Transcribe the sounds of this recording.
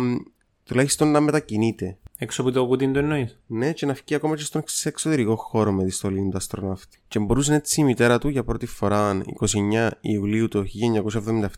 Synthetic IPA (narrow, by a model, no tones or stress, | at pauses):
t̪ulɐçist̪o̞nːɐme̞t̪ɐcinit̪e̞eksoput̪okut̪ind̪uenːoisne̞ce̞nɐfciɐko̞mɐcest̪okseksot̪e̞ɾiko̞xo̞ɾo̞meðist̪o̞lint̪ɐst̪ɾo̞nɐft̪i̥ce̞mbo̞ɾus̬enet͡sːiːmit̪e̞ɾɐt̪uʝɐpɾo̞t̪ifo̞ɾɐnḭko̞sie̞ɲːɐḭuliut̪oçiʎːɐeɲːɐko̞sɐevðomind̪ɐeft̪